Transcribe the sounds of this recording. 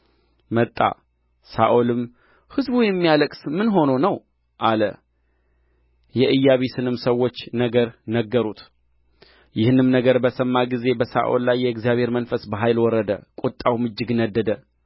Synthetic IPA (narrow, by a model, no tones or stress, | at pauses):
mət̪ʼːa̰ | sa̰ʔolɨm | hɨzbujɛmːijaləkʼsmɨnɦo̞nonəw | ʔalə̰ | jɛʔɨjːaβisɨnɨmsəwːo̞t͡ʃːnəɡəɾnəɡːəɾut̪ | jɪhɨnɨmnəɡəɾbəsəmːaɡize̞bəsa̰ʔo̰lːajːɛɨɡzijaβhe̞ɾmənfəsbəɦajlwɔɾːəd̪əkʼut̪ʼːawmɨd͡ʒːɨɡnəd̪ːəd̪ə